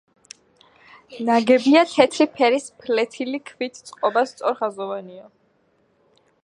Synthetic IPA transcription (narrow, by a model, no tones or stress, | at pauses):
naɡɛbiat̪ʰɛt̪ʰɾipʰɛɾispʰlɛt̪ʰilikʰvit̪ʰt̪sʼqʼɔbast̪sʼɔɾχazɔvaniɔ